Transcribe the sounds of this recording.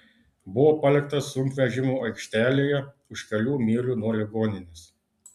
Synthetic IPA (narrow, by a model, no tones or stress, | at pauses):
bʊʋoːpɐlʲɪkt̪ɐsʊmʲpʲʋʲɛʒʲɪmuːɐɪkʃʲt̪ʲæːlʲeːjɛ | ʊʃkʲɐlʲuːmʲiːlʲuːnuɔlʲɪɡoːnʲɪnʲɪs